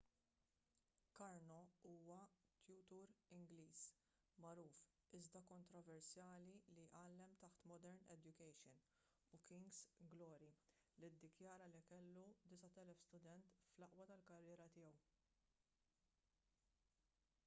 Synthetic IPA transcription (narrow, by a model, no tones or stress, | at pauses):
kɐɾnɔuːwɐt̪jut̪uːɾɪŋɡliːs | mɐɾuːf | ɪzd̪ɐkɔnt̪ɾɔvɛɾsjɐːliliʔɐːlːɛmt̪ɐħt̪mɔd̪ɛɾnɛ̰d͡ʒ̪jʊkɛjʃɔn | ukɪŋɡsɡlɔːɾi | lid̪ːɪkjɐːɾɐlikɛlːud̪ɪsɐt̪ɛlɛfst̪ʊd̪ɛnt̪flɐʔwɐt̪ɐlkɐrːɪːɾɐt̪ɪːjɛw